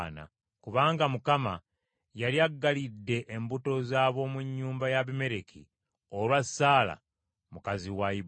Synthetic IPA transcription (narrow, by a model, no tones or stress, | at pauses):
na̰ | kuβaːŋɡamukama | jaliaɡːalidːe̞ʔːmbuto̞zaːβo̞muɲːuːmbajaβime̞ɾekʰḭ | o̞lwasaːla̰ | mukaziwai